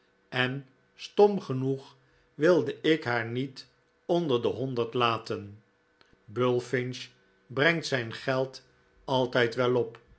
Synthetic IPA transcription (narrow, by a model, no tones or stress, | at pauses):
ɛn | stɔmχənuχ | ʋɪlˠdəʔɪkɦaːɹnit | ɔndəɹdəɦɔndəɹtlaːtən | bølˠfɪnʃ | brɛŋtsɛjnχɛlˠt | ɑlˠtɛjtʋɛlɔp